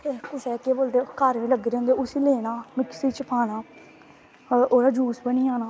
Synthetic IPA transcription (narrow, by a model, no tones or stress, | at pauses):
t̪eːkʊsɛːkeːboːld̪eːkəɾʋĩːləɡɾeːɦʊ̃nd̪eːʊsiːleːnaːmɪksiːt͡ʃəpʰaːnaː | oːɾaːd͡ʒuːsbəniːaːnaː